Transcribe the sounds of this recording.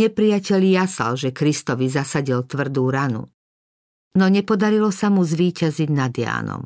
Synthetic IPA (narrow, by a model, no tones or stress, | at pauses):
ɲɛpɾijacɛʎijasa̰lʒɛkɾist̪ɔʋizasaɟilt̪ʋr̩d̪uːɾanṵ | nɔɲɛpɔd̪aɾilɔsamuzʋiːcaziɟnad̪ɪja̰ːnɔ̰m